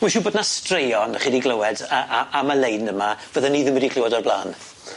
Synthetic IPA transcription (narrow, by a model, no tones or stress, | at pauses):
wiʃuboːdnastrejɔnəχiːdiɡləwɛdəʔaʔaməlejnəmavəðaniːðɪmədikʰl̥ɪwɔdɔrbla̰ːn